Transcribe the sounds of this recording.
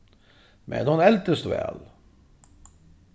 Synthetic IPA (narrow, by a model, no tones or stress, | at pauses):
mɛ̰nhʊnɛlt̪əst̪vɛ̰ːl